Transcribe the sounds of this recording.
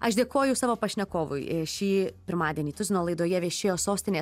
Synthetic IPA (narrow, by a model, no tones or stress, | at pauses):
ɐʃd̪ʲeːkoːjʊsɑːʋoːpɐʃʲnʲɛkoːʋʊ̰ɪʃʲiːpʲɪɾmɑːd̪ʲiɛnʲiːt̪ʊzʲɪnoːlˠɐɪd̪oːjɛʋʲeɛʃʲeːjoːsoːsʲt̪ʲɪnʲeː